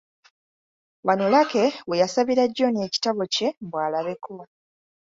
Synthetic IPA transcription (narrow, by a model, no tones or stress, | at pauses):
wanolake̞we̞jasaβiɾaɟːo̞ne̞ːci̥taβo̞ce̞mbwaːlaβe̞ko